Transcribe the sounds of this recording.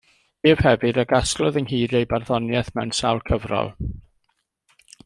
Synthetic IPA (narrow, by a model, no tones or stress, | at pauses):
eːv̥hɛvɨdəɡasklˠɔðəŋɦiːɾejbarðɔnjɛθmɛwnsawlˠkʰəvrɔ̰lˠ